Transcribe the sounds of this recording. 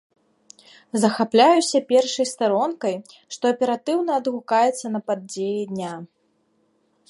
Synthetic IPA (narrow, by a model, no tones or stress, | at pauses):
zɐxaplʲajusʲɐpʲɛrʂɐjst̪aɾɔnkɐj | ʂt̪ɔɐpʲɛɾat̪ɨwnɐːd̪ɣukajɛt̪sːɐnɐpad͡zʲejɛd̪ʲnʲa